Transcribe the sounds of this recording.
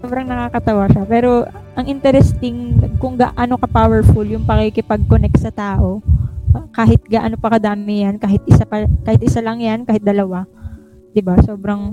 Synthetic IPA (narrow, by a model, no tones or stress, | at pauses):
sobɾɐŋnɐkaːkɐt̪ɐwaʃapɛːɾo̞ | ʔɐŋʔɪnt̪ɛɾɛst̪ɪŋkʊŋɡa̰ːʔano̞kɐpawɛɹfuljʊŋpɐkɪkɪpɐɡ̚konɛk̚t̪sɐt̪aːʔo̞ | kaːɦɪt̪̚ɡaːʔɐnopɐkɐd̪aːmɪjankaːɦɪt̪̚ʔɪsapɐkaːhɪt̪̚ʔɪsalɐŋjankaːhɪt̪̚d̪ɐlɐwa | d̪̥ɪbaso̞ːbɾɐŋ